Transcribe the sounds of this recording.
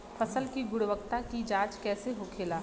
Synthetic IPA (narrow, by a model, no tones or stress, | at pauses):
fʰɐsəlkiɡʊɽʋəkt̪akid͡ʒãːt͡ʃkɛːseɦokʰeːlaː